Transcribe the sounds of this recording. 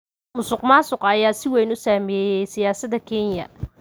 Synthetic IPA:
mʊsʊqmaːsʊqɐjaːsɪwɛjnʊsaːmɛɛːjɛjsɪjaːsɐd̪ɐkʰɛnjɐ̰

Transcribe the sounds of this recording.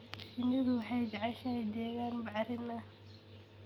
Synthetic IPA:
ɪnɪɣʊwħɑjd͡ʒɑʕɑʃɐjd̪ɛːɣaːnbɑʕɾɪnɐ

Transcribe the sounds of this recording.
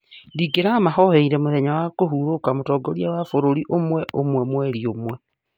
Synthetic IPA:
diɡeɾamahɔheiɾɛmoðɛɲawakoɦuɾokamotɔɡɔɾiawafoɾoɾiʔomwɛʔomwɛmwɛɾiomwɛ

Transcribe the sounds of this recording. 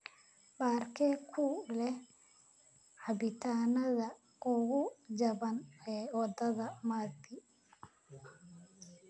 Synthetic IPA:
baːrkʰɛːkʰʊlɛh | ħɑbɪt̪ʰaːnɐðɐ | ʔʊɣʊd͡ʒɐβɐnɛːwɑd̪ɐðɐmaːd̪ɪ

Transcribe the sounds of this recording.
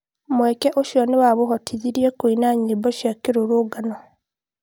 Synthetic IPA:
mwekeʔoʃjɔnewaβoɦotʰiðiɾjekuinaɲiboʃjakiɾuɾuɡano

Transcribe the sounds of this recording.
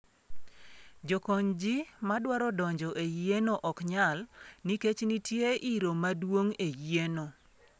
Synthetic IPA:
d͡ʒokɔɲd͡ʒimadwaɾɔdɔɲd͡ʒɔʔejenoʔɔkɲalniket͡ʃnitjeʔiɾomadwoŋejeno

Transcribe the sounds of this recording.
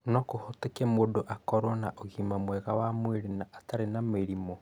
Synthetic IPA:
nɔkohotekɛmodoʔakɔɾwɔnaʔoɣimamwɛɣawamweɾenaʔːtaɾenameɾimo

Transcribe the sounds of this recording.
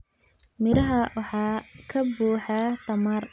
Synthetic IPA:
mɪɾɐɦɐwɑħɑːkʰɐbuːħat̪ʰɐmɐr

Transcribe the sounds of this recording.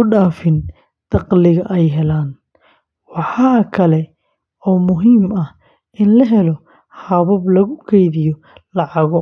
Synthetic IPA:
ʊɖaːfɪn | d̪̥ɑqlɪɣɐʔɛjɦɛlaːn | wɑħɑːkʰɐlɛ | ɔːmʊɦiːmɐ | ɪnlɐɦɛlɔ | hɐβɐblɐɣʊkʰɛjðɪjɔ | lɑʕɑɣɔ

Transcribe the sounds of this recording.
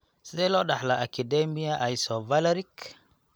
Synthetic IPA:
seloɗahlaʔakidemijaʔaisovalaɾik

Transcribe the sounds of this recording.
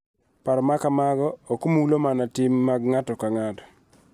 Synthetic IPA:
paɾɔmakamaɡɔokomuulomanatɪmːaɡŋatɔkaŋatɔ̥

